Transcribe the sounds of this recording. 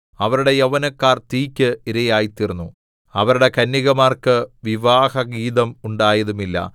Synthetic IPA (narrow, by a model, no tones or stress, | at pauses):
ɐʋɐɾuɽe̞jɐʋɐnɐkːaːrt̪iːkʲːɨiɾɐjaːjit̪ːirunːu | ɐʋɐɾuɽe̞kɐnːiɣɐmaːrkɨʋiʋaːhɐɡiːðɐmuɳɖaːjɐðumilːɐ̰